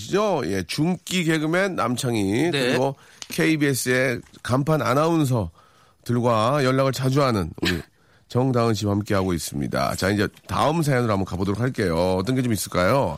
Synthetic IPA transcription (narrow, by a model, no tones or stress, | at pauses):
ɕʰid͡ʑoje̞t͡ɕuŋk͈iɡe̞ɡɯmenːa̰mt͡ɕʰaŋikɯɾiɡo | kʰe̞ibies͈ɯe̞kampʰana̰nauns̬ʰʌ | tɯɭɡwajʌɭːaɣɯɭt͡ɕad͡ʑuɦanɯnṵɾɾḭ | t͡ɕʌŋdaɯnɕ̬ʰiphamk͈e̞ɦaɡois͈ɯmɲḭda̰t͡ɕaind͡ʑe̞ta̰ɯms̬ʰajʌnɯɾambʌnkabodoɾok̚haɭk͈e̞joʌt͈ʌnɡe̞t͡ɕomis͈ɯɭk͈ajo